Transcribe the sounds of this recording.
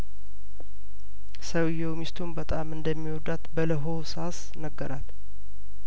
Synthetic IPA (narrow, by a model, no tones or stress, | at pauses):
səwjɛwmist̪ʰumbət̪ʼamɨnd̪əmːiwɔd̪at̪bələɦo̞sas | nəɡːəɾat̪